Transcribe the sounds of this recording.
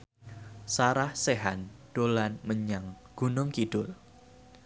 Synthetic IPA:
saɾahseɦanɖ̥olanməɲaŋ | ɡ̥unʊŋkid̥ʊl

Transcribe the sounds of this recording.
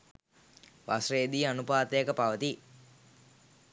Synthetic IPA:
ʋasrejːd̪iːanupaːt̪əjəkəpaʋət̪i

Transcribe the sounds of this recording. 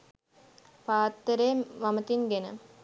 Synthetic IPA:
paːt̪ːəɾemʋamət̪inɡenə

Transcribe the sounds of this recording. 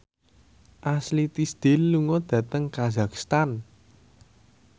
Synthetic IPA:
ʔaslit̪isd̪̥e̤lːuŋɔd̪̥ä̤t̪əŋkazakst̪an

